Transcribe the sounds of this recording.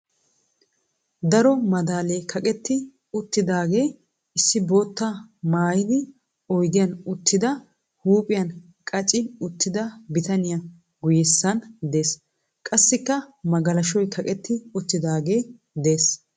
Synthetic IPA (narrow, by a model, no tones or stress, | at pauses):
d̪ɐɾɔmɐd̪aːleːkʰɐkʼɛt̪ːɪ | ʊt̪ːɪd̪aːɡe̞ː | ɪsːɪbo̞ːt̪ːɐmaːjɪd̪ɪ | ɔjd̪ɪjɐnʊt̪ːɪd̪ɐ | huːpʼɪjɐn | kʼɐt͡ʃʼɪʊt̪ːɪd̪ɐbɪt̪ɐnɪjɐ | ɡʊjɛsːɐnd̪e̞ːs | kʼɐsːɪkːɐmɐɡɐlɐʃɔjkʰɐkʼɛt̪ːɪʊt̪ːɪd̪aːɡe̞ː | d̪e̞ːs